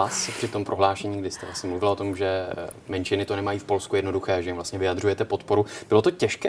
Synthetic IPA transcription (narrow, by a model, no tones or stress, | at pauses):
aspr̥ɪt̪o̞mpɾʔo̞ɦlaːʃɛɲiːɡdɪst̪ɛvlasɲɛmluvɪlao̞t̪o̞mʒɛmɛnt͡ʃɪnɪt̪o̞nɛmajiːfpo̞lskujɛdno̞duxɛːʒɛjɪmvlast̪ɲɛvɪjad̪rujɛt̪ɛpo̞t̪po̞ɾubɪlo̞t̪o̞cɛʃkɛː